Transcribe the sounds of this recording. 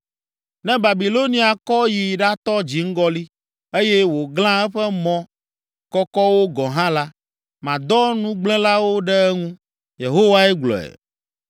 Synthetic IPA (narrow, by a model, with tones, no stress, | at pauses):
nɛ̃˦ba˨bi˨lo˦nĩ˨˦a˨kɔ˦ji˨ɖa˦t̪ɔ˦d͡ʑi˨ŋ̩˦ɡɔ˦li˦ | e˦je˦wo˨ɡlã˦ɛ˦ɸɛ˦mɔ̃˦ | kɔ˦kɔ˦wo˦ɡɔ̃˨ɦã˦la˦ | mã˨d̪ɔ˦nũ˦ɡ͡blɛ̃˦la˦wo˦ɖɛ˦ɛ˦ŋũ˦ | je˨ɦo˦wa˦ɛ˦ɡ͡blɔ̰˨ɛ̰˨